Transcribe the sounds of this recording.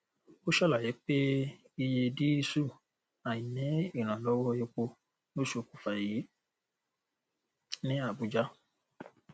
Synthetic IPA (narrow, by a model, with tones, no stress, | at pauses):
o˦ʃɔ˦˨la˨je˨˦k͡pe˦ | i˧je˧di˦i˧su˦˨ | a˨jĩ˨nĩ˨˦i˦˨ɾ̃ã˨lɔ˦wɔ˦je˧k͡po˧ | no˦ʃo˧˨ku̥˨fa˨ji˨˦ | nĩ˦a˦˨bu˨˦d͡ʒa˦